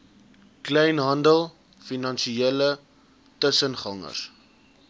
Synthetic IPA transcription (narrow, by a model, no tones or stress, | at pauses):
klɛjnɦɐndəlˠ | finɐnʃielə | təsənχɐŋə̰r